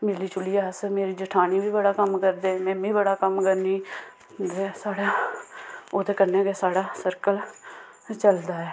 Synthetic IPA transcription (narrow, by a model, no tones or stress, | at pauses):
meːliːt͡ʃʊliːaːsmeːɾiːd͡ʒəʈʰaːniːʋiːbəɽaːkəmkəɾd̪eːmɛ̃ːbiːbəɽaːkəmkəɾniː | d̪esaːɽaː | oːt̪eːkənẽːkesaːɽaːsəɾkəl | t͡ʃəld̪aːɛː